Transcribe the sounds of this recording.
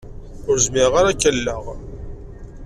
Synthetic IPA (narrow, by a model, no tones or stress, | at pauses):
ʊɾzmɪʁaɾækːəlːəʁ